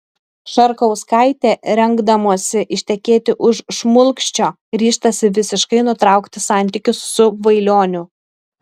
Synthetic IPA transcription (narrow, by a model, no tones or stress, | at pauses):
ʃɐɾkɐʊskɐˑɪt̪ʲeːɾʲɛŋɡd̪ɐmoːsʲɪʔɪʃʲt̪ʲɛkʲeːt̪ʲɪʔʊʃʃmʊlˠkʃʲt͡ʃʲoː | ɾʲiːʃt̪ɐsʲɪʋʲɪsʲɪʃkɐɪnʊt̪ɾɑˑʊkt̪ʲɪsɑˑnʲt̪ʲɪkʲʊsːʊʋɐɪlʲoːnʲʊ